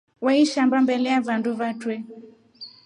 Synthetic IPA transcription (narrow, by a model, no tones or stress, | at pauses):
waiʃambambɛlɛavanduvatwɛ